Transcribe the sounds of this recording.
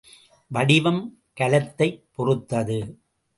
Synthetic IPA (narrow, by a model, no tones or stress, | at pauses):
ʋɐɽɪʋɐm | kɐlɐt̪ːɐɪpːɔrɯt̪ːɐðɯ